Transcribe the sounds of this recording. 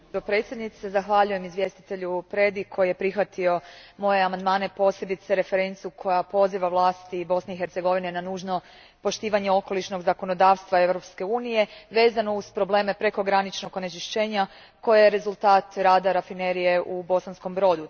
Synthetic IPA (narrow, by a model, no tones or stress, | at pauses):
opɾe̞ːt̪sʲje̞d̪nit̪sezaxʋaʎuje̞mizʋje̞st̪i̥t̪e̞ʎupɾe̞d̪ikʰːo̞jije̞pɾixʋat̪io̞mo̞jeamand̪maːne̞po̞se̞bit̪se̞ɾe̞fe̞ɾe̞nt̪siukʰo̞japo̞ziʋaʋlˠaːst̪ibo̞sne̞ixe̞ɾt̪se̞ɡo̞ʋine̞nanuːʒno̞ | po̞ʃt̪iːʋaɲe̞o̞ko̞liʃno̞ɡzako̞no̞d̪aːʋst̪ʋae̞ʋɾo̞pske̞uːnije̞ʋe̞ːzano̞uzpɾo̞ble̞ːme̞pɾe̞ko̞ɡɾanit͡ʃno̞ɡonet͡ʃiʃt͡ʃe̞ːɲa | ko̞jejeɾezulˠt̪aːt̪ɾaːd̪aɾafineɾije̞ʔubo̞sansko̞mbɾo̞d̪u